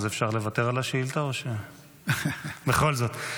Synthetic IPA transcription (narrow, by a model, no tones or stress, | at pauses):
zefʃaʁle̞vat̪eʁalaʃeilt̪aoʃe | beχo̞lzo̞t̪